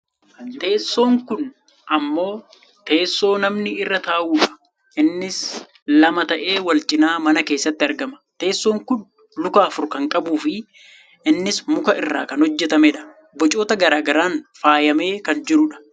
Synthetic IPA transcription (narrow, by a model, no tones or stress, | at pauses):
t̪e̞ːsːo̞ːŋkʊn | ʔɐmːo̞ː | t̪e̞ːsːo̞ːnɐmnɪɪrːɐt̪aːʔuːᶑɐ̥ | ʔɪnːɪs | lɐmɐt̪ɐʔe̞ːwɐlt͡ʃʼɪnaːmɐnɐke̞ːsːɐt̪ːɪɐɾɡɐmɐ̥t̪e̞ːsːo̞ːŋkʊn | lʊkaːfʊɾkɐŋkʼɐbuːfɪ | ɪnːɪsmʊkɐɪrːa̰ːkɐnhɔd͡ʒːɛt̪ɐmɛᶑɐ̥ | bɔt͡ʃʼo̞ːt̪ɐɡɐɾaːɡɐɾaːnfaːjɐme̞ːkɐnd͡ʒɪɾʊᶑɐ̥